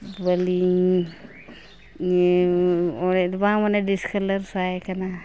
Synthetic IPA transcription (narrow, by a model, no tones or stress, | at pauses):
bali | ɔɾetbamanadiskʰaləɾsajkana